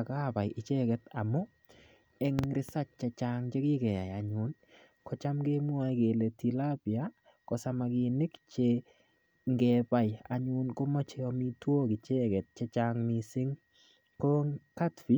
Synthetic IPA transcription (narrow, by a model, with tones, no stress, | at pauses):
ka˦ba˨jʔɪ˨t͡ʃɛ˦kɛ˨ta˨mɔ˦ | ɛ˦ŋɾɪ˦sa˦t͡ʃ̚t͡ʃɛ˨t͡ʃaŋt͡ʃe˦ki˦kɛ˨ja˨jaɲʊn | kɔ˦t͡ʃa˦mɡe˦mu˦a˦jke˨le˨ti˨la˦pja | kɔ˨sa˨ma˨ki˨nɪ˦kt͡ʃe | ŋɡɛ˨ba˨ja̰˨ɲʊnkɔ˦mɔ˦t͡ʃe˦ɔ˦mi˦two˦kɪ˨t͡ʃɛ˦kɛ˨t̚t͡ʃɛt͡ʃaŋmi˨sɪ˦ŋ | koŋka˦tfi˨˦